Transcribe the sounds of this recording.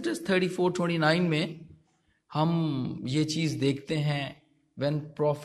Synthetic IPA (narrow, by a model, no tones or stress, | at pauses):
ʈəzt̪ʰəːʈiːfoːɾʈwɛ̃ɳʈinãːɪ̃nmẽ | hɐmjet͡ʃiːzd̪eːkʰt̪eɦɛ̃ː | ʋɛ̃npɾɔːf